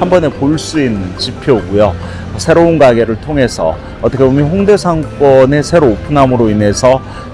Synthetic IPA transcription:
ambʌne̞poɭs͈uinːɯnt͡ɕipʰjoɡujo | sʰe̞ɾounɡaɡe̞ɾɯɭtʰoŋɦe̞sʰʌ̰ | ʌt͈ʌkʰebomjʌnɸoŋde̞sʰaŋk͈wʌne̞sʰe̞ɾoːpʰunɦamɯɾoine̞sʰʌ

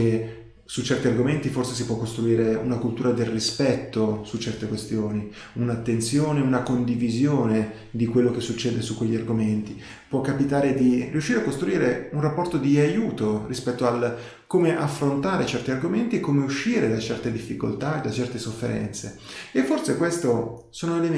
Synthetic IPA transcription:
e | sut͡ʃɛrt̪iarɡoment̪iforses̬ipwɔkːost̪ɾuiːɾeunakult̪uːɾad̪elrispɛt̪ːosut͡ʃːɛrt̪ekwest̪joːni | unat̪ːent̪sjoːneunakond̪ivizjoːne | d̪ikwelːok̟esːut͡ʃːɛːd̪esukːweʎːiarɡoment̪i | pwɔkːapit̪aːɾed̪iriuʃːiːɾeakːost̪ɾuiːɾeunrapːɔrt̪od̪iajuːt̪orispɛt̪ːoal | koːmeʔafːɾont̪aːɾet͡ʃɛrt̪iarɡoment̪iekːoːmeuʃːiːɾed̪at͡ʃɛrt̪ed̪ifːiko̰lt̪ad̪at͡ʃɛrt̪esofːḛɾɛ̰nt̪seefːorsekwest̪o | soːnoele

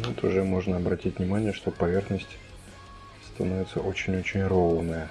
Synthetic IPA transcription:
ɛt̪ʊʐɛmo̞ʐnəɐbɾɐtʲitʲnʲɪmanʲɪjəʂt̪opɐvʲe̞rxnəsʲtʲ | st̪ɐnovʲɪt̪səʔo̞t͡ɕɪnʲo̞t͡ɕɪnʲronəjə

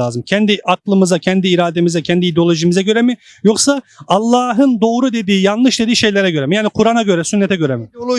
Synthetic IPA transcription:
aːzɯmcʰɛnd̪iʔaklˠɯmɯzacʰɛnd̪iːɾaːd̪e̞mizɛcʰɛnd̪iːd̪eo̞lʲˠo̞ʒimizɛɟø̞ɾɛmi | jo̞ksaalˠːaːɦɯnd̪o̞ːɾud̪e̞d̪iːjanlˠɯʃd̪ed̪iːʃe̞jlʲeɾɛɟø̞ɾɛmijaːnikʰuɾanaɟø̞ɾɛsynːet̪ɛɟø̞ɾɛmɪ

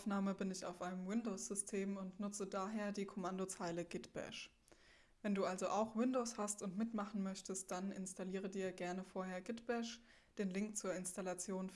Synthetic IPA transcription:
naːməbɪnɪça̰ʊfʔaɪnəmwɪndoːsz̥ʏstʰeːmʊntnʊt͡sədaːɦeːɐdiːkʰɔmandot͡saɪləɡɪtb̥ɛ̰ʃ | vɛnduːʔalzoʔaʊxwɪndoːshastʊntmɪtmaχn̩mœçtəst̚d̥anɪ̰nstaliːʁədiːɐɡɛɐnəfoːɐɦeːɐɡɪtb̥ɛʃ | d̥eːnlɪŋk̚t͡suːɐɪnstalat͡sjoːn

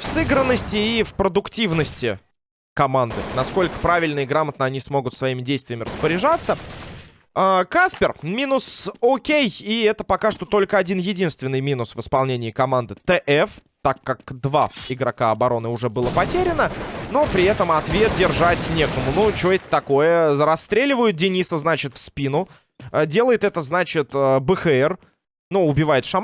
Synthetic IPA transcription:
fsɨɡɾənːəsʲtʲɪːfpɾəd̪ʊktʲivnəsʲtʲɪ | kɐmand̪ɨ̰nɐsko̞lʲkə̥pɾavʲɪlʲnəɪɡɾamət̪̚nəɐnʲismo̞ɡʊt̪svɐimʲɪdʲejst̪vʲɪjəmʲɪɾəspəɾʲɪʐat̪sːə | akaspʲɪrmʲinʊsokʲejiɛt̪əpɐkaʂt̪ot̪o̞lʲkəɐdʲinjɪdʲin̪st̪vʲɪnːɨjmʲinʊsvɨspɐlˠnʲenʲɪːkɐmand̪ɨt̪ɛʔɛf | t̪akːakd̪vaɪɡɾɐkaɐbɐɾo̞nɨʊʐɛbɨlˠəpɐtʲeɾʲɪnənopɾʲɪɛt̪əmɐt̪vʲet̪̚dʲɪrʐatʲnʲekəmʊnut͡ɕoetʲt̪ːɐko̞jəɾɐst̪ɾʲelʲɪvəjʊt̪̚dʲɪnʲisəznat͡ɕɪt̪fspʲinʊ | dʲelˠəjɪt̪ɛt̪əznat͡ɕɪt̪əbəxɨɛr | nuʊbʲɪvajɪt̪ʂɐm

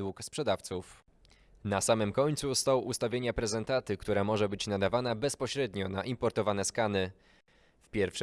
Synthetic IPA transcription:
wukspʂɛd̪aft̪suf | nasamɘmkɔɲt̪sust̪ɔwʔust̪avʲjeɲapɾɛzɛnt̪at̪ɘkt̪uɾamɔʐɛbɘt͡ɕnad̪avanabɛspɔɕɾɛd̪ɲɔnaʔimpɔɾt̪ɔvanɛskanɘ | fpʲjɛɾfʂ

